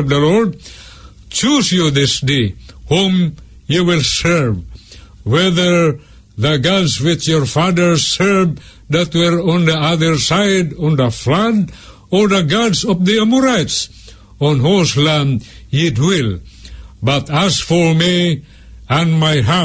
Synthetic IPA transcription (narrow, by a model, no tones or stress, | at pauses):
vðəlɔɹd̚ | t͡ʃusjuðɪsdehũmjuwɪlˠsɜ˞v | wɛðə˞ | ðəɡadzwɪt͡ʃjɔɹfaðə˞sɜ˞v | ðæt̚wəɹɔ̃nðiaðə˞saɪdɔ̃nðəflad | ɔɹðəɡadsɔvðiamuɹajts | ɔ̃nɦuslæ̃nɪtwɪl | bʌtæsfɔɹmi | ə̃nmajɦa